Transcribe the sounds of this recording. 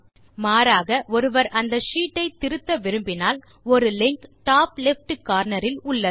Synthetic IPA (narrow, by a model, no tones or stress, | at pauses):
maːɾaːɣɐʔɔɾɯʋɐɾʔɐnd̪ɐʂiːʈːɐɪt̪ːɪɾɯt̪ːɐʋɪɾɯmbɪnaːl | ɔɾɯlɪŋkʈaːplɪfʈɯkːaːɾnɐɾɪlʊɭːɐ